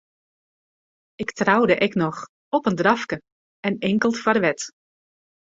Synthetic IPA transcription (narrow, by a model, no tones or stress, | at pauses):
ɪktrawdəʔɛknɔx | ɔpəndrɑfkə | ɛnɪŋkəlˠtfarʋɛt